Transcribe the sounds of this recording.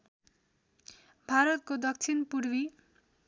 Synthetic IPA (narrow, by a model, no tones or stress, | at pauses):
bʱaɾʌt̪̚kod̪ʌk̚t͡sʰinpuɾwi